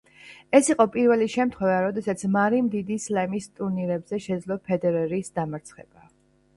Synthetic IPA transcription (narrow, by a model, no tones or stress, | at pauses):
ɛsiqʼɔpʼiɾvɛliʃɛmt̪ʰχwɛvaɾɔd̪ɛsat̪sʰmaɾimd̪id̪islɛmist̪ʼuɾniɾɛbzɛʃɛd̪zlˠɔpʰɛd̪ɛɾɛɾiːsd̪amaɾt̪sʰχɛb̥a